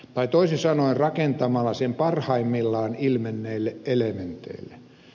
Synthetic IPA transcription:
t̪ɑit̪oisisɑnoirrɑkent̪ɑmɑlːɑsempɑrhɑimːilːɑːnilmenːeilːeʔʔelement̪ḛilːˑe

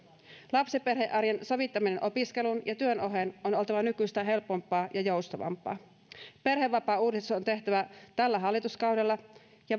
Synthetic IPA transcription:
lɑpseperheʔɑrjenso̞ʋit̪ːɑminenʔopiske̞lunjɑt̪yøno̞ɦenono̞lt̪ɑʋɑnykyst̪æɦe̞lpo̞mpːˑɑːjʔɑjo̞wst̪ɑʋɑ̰mpˑɑ̰ː | pe̞rheʋːɑpɑːuːdissusont̪e̞ht̪æʋæt̪ælːæɦɑlːit̪uskɑwdelːɑ | jɑ

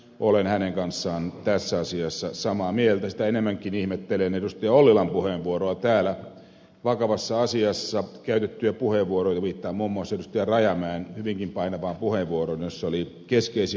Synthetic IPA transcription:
ʔolenhæneŋkɑnsːɑːnt̪æsːæɑsiɑsːɑsɑmɑːmielt̪æsi̥t̪æenemːæŋkinihmet̪ːelenedust̪eɑolːilɑmpuheːʋʋuoɾoɑt̪æːlæ | ʋɑkɑʋɑsːɑɑsiɑsːɑkæyt̪et̪ːyæpuheʋʋuoɾoit̪ɑʋiːt̪ːɑːmuːmːuɑsːedust̪ɑrɑjɑmæːnhyʋiŋkimpɑinɑʋɑːmpuheʋʋuoɾonjosːoli | keskeisi

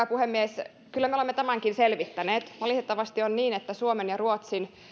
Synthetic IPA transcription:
puhemːies | kylːæmeolemːet̪æmæŋkinselʋit̪ːæneːt̪ʋɑlit̪et̪ːɑʋɑst̪ionniːnet̪ːæsuomenjɑruot̪sin

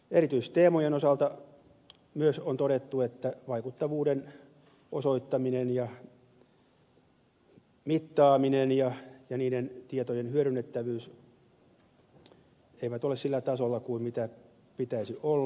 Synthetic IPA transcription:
erit̪yist̪eːmojenosɑlt̪ɑ | myøsont̪oɾet̪ːuet̪ːæʋɑikut̪ːɑʋuːden | osoit̪ːɑminenjɑ | mit̪ːɑːminenjɑjɑniːdent̪iet̪ojenhyøɾynːet̪ːæʋyːs | eiʋæt̪olessilːæt̪ɑsolːɑkuimmit̪æ | pit̪æisiʔolː

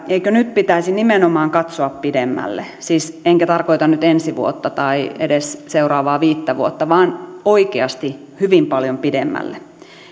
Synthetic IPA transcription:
eikønyt̪pit̪æisinimenomɑːŋkɑt̪soɑppidemːæ̰lːḛ | siːseŋkæt̪ɑrkoit̪ɑnnyt̪ensiʋṵot̪ːɑt̪ɑiedesseurɑːʋɑːʋiːt̪ːæʋuot̪ːɑʋɑːnoikeɑst̪i | hyʋimpɑljompidemːæ̰lːḛ

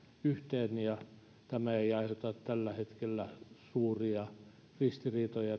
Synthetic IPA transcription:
yht̪eːnjɑ | t̪æmæeiɑihot̪ɑt̪t̪ælːæhet̪kelːæsuːriɑ | rist̪iriːt̪ojɑ

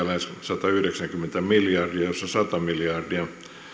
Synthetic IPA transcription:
ælenssɑt̪ɑyhɾeksæŋkymːent̪æmiljɑrdiɑjosːɑsɑt̪ɑmiljɑrdiɑ

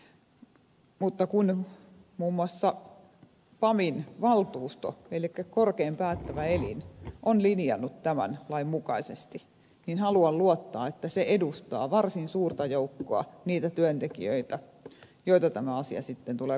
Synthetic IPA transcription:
mut̪ːɑkunmuːmːuɑsːɑ | pɑminʋɑlt̪uːst̪o̰elikːækorkeːmpæːt̪ːæʋæelḭnʔonlinijɑ̰nːut̪t̪æmæ̰nlɑimmukɑisest̪i | ninhɑluɑlluot̪ːɑːet̪ːæseʔedust̪ɑ̰ːʋɑrsinsuːrt̪ɑjoukːoɑ̰niːt̪æt̪yønt̪ekḭø̰it̪æ | joit̪ɑt̪æmæɑsiɑ̰sit̪ːent̪ule

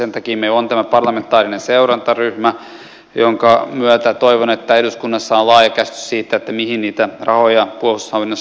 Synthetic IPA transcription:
sent̪ɑkiːmeilont̪æmæpɑrlɑment̪ːˑɑːrinenseuɾɑnt̪ɑryhmæ | joŋkɑmyøt̪æt̪oiʋonet̪ːæeduskunːɑsːɑolɑːjɑkæst̪y̥ssiːt̪ːæet̪ːæmihinniːt̪ærɑhojɑpuohushɑʋinːos

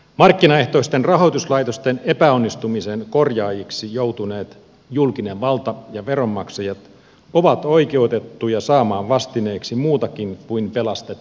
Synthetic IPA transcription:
mɑrkːinɑe̞ht̪oist̪enrɑɦo̞jt̪uslɑijt̪o̞st̪enepæo̞nːist̪umisenko̞rjɑːjiksijowt̪une̞ːt̪ | julkine̞ʋʋɑlt̪ɑjɑʋeɾo̞mːɑksɑjɑt̪ | oʋɑt̪o̞ike̞ut̪et̪ːujɑsɑːmɑːʋʋɑst̪ine̞ːksimuːt̪ɑkinkuinpe̞lɑst̪et̪ː

